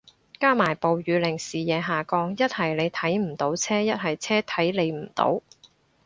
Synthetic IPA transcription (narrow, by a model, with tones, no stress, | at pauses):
kaː˥maː˨˩jpo˨wɥyː˨˧lɪ˨˩ŋsiː˨˩jɛː˨˧ɦaː˨kɔː˧ŋjɐ˥t̚hɐ˨˩jle˨˧jt̪ʰɐ˨˥jm̩˨˩t̪o˨˥wt͡sʰɛː˥jɐ˥t̚ɦɐ˨˩jt͡sʰɛː˥t̪ʰɐ˨˥jle˨˧jm̩˨˩t̪o̰˨˥w